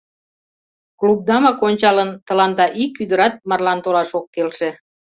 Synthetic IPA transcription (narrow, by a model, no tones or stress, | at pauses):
klub̚d̪ɑmɑkonʲt͡ɕɑlənt̪ə̆lɑnd̪ɑʔikːyd̪əɾɑt̪̚mɑrlɑnt̪olɑʃokːelʃe